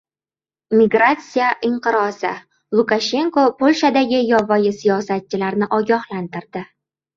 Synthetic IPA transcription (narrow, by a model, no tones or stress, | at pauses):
miɡɾat̪sijaʔɪɴqɨɾɒsɪ | lˠʊkaʃe̞ŋkopʰolʲʃad̪aɡʲɪjɒvɒjɪsijɒsat̪̚t͡ʃʰɪlaɾnɪʔɒɡʲɒhlant̪ɪɾd̪ɪ